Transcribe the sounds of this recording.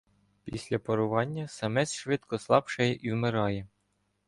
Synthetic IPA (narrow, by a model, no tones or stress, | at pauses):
pʲisʲlʲɐpɔɾʊʋɑnʲːɐsɐmɛsʲʃʋɪt̪kɔslˠɑpʃɛjɛʔiwmeɾɑjɛ